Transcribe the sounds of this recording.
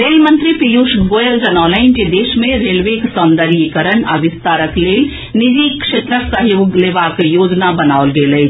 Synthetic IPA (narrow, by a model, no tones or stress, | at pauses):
ɾeːlmənt̪ɾipijuʃɡojəld͡ʒɐnaːlə̃ɪnked̪eːsmẽɾelʋeksɔnd̪əɾikəɾəna̰ʋist̪aːɾəkleːl | nid͡ʒikʃet̪ɾəksəɦjoːɡleʋakjoːd͡ʒnabənaʊlɡeləɪ